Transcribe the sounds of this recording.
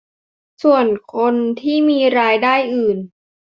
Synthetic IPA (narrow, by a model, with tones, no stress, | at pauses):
su˨˩ənkʰo˧nt̪ʰiː˥˩miː˧ɾaː˧jdaː˥˩jʔɯː˨˩n